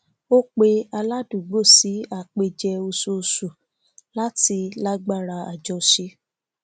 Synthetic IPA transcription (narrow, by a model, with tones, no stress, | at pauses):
o˦k͡pe˧a˧la˦du˨ɡ͡bo˦˨si˨˦a˦˨k͡pe˧d͡ʒɛ˧o˧su˧su˨ | la˦ti˧la˦ɡ͡ba˦˨ɾa˧a̰˨d͡ʒɔ˧ʃe˧˦